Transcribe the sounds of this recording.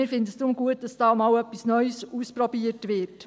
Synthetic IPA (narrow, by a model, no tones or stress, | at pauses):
ɪːɾfɪndəsd̪ɾʊmɡuət̚d̥ɑsd̥ɑːmɑːwœpːisnœʏsuːspɾɔbiəɾtʋɪːɾt